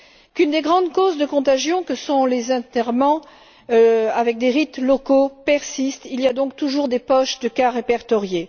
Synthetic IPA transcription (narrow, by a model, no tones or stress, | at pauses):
kynd̪eɡʁɑ̃d̪kozd̪əkɔ̃t̪aʒjɔ̃kəsɔ̃lezɛ̃t̪ɛʁmɑ̃ | avɛk̚d̪eʁit̪lɔkopɛʁsist̪iliad̪ɔ̃k̚t̪uʒuʁd̪epɔʃd̪əkaʁepɛʁt̪ɔʁje